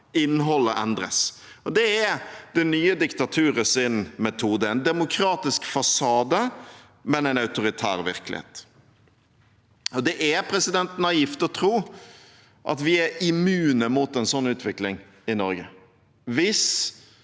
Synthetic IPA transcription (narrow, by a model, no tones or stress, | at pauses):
ɪnːɦɔlːəʔɛnd̪ɾə̰s | ɔd̪ɛɛd̪ɛnyːəd̪ɪkt̪ɑt̪ʰʉːɾəsɪnmɛt̪ʰuːd̪əɛɪnd̪ɛmʊkʰɾɑːt̪ɪskfɑsɑːd̪ə | mɛnɛɪnɑʉt̪ʊɾɪt̪ʰæ̰ːɾʋɪ̰ɾkəlɪ̰hḛːt̪ | ɔd̪ɛʔɛɾpʰɾɛsɪd̪ɛnt̪n̩ɑjɪft̪ɔt̪ʰɾuː | ʔɑ̰t̪ʋɪɛɾɪmʉːnəmut̪ɛnsɔnːʉːt̪ʋɪklɪŋ | ɪnɔɾɡə | ʋɪs